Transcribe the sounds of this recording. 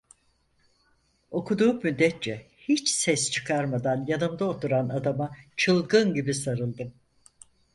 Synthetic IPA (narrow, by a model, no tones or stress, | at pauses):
o̞kʰud̪uːmyd̪ːɛt̪̚t͡ʃɛhit͡ʃsɛst͡ʃʰɯ̥kʰaɾmad̪anjanɯmd̪aot̪ʰuɾanad̪amat͡ʃʰɯlˠɡɯnɟibisaɾɯlˠd̪ɯm